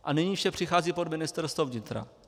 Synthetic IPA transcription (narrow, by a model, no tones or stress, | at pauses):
ʔanɪɲiːfʃɛpr̝̥ɪxaːziːpodmɪnɪst̪ɛɾst̪vovɲɪt̪ɾa̰